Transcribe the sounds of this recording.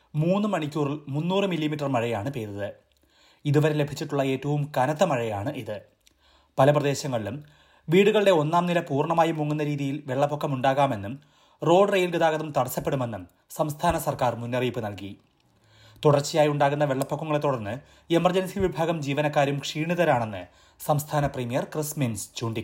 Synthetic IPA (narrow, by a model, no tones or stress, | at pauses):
muːnːɨmɐɳikʲːuːrilmunːuːrɨmilːimiʈːɐrmɐɻɐjaːɳɨpeːðɐðɨ | iðuʋɐɾe̞le̞bʱit͡ɕːiʈːuɭːɐe̞ːtːɐʋumkɐnɐt̪ːɐmɐɻɐja̰ːɳɨʔiðɨ | pɐlɐprɐðeːɕɐŋːɐɭilum | ʋiːɽuɣɐɭɨɽe̞o̞nːaːmnilɐpuːrɳɐmaːjimuŋːunːɐɾiːðijilʋe̞ɭːɐpːokːɐmuɳɖaːɣaːme̞nːum | ro̞ːɖrejilɡiðaːɣɐðumt̪ɐɽɐsːɐpːeɽume̞nːum | sɐmst̪ʰaːnɐsɐrkaːrmunːɐriːpːɨnɐlki | t̪uɽɐrt͡ɕːijaːjuɳɖaːɣunːɐʋe̞ɭːɐpːokːɐŋːɐɭt̪ːuɽɐrnːɨ | e̞mɐrd͡ʑɐnsiʋibʱaːɡɐmd͡ʑiːʋɐnɐkːaːɾjumkʂiːɳuðɐɾaːɳe̞nːɨ̰ | sɐmst̪ʰaːnɐprimijɐrkrisminst͡ɕuːɳɖi